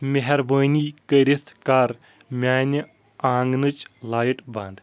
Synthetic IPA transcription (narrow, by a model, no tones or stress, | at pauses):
mʲeɦɐɾbəːniːkəɾʲiskaɾ | mʲaːnʲi | aːŋɡnɨt͡ʃlaːjiʈbɐ̰̃nd̪